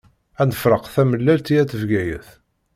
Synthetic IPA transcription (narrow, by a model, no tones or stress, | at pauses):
ænəfɾəqθæməlːælt̪ijæθəvɡæjə̰θ